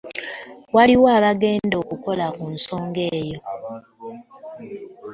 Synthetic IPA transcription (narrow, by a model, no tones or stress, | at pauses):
waliwaːβaɡe̞ːndo̞ːkuko̞lakunso̞ːŋɡe̞ːjo̞